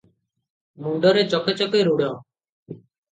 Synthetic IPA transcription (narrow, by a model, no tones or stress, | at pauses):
muɳɖɔɾet͡ʃɔkʰet͡ʃɔkeɾuɽɔ